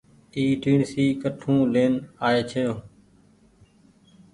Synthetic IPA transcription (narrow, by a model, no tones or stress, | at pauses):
iːʈiːnsiːkəʈʰũːleːnaːeːt͡ʃʰəjoː